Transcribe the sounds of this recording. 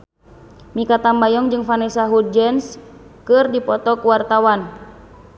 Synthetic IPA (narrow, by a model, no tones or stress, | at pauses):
mikat̪ambajɔŋd͡ʒɨŋfanɛsaɦud͡ʒɛnskɨrdipɔt̪ɔkuwart̪awan